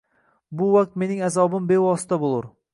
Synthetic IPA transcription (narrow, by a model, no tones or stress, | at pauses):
bʊwak̚t̪̚me̞nɪŋazɒbɪmbe̞wɒsɪ̥t̪ʰabolˠʊɾ